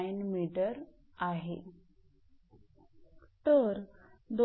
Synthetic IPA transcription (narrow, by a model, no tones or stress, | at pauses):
jnmiʈəɾ | aɦḛ | t̪əɾd̪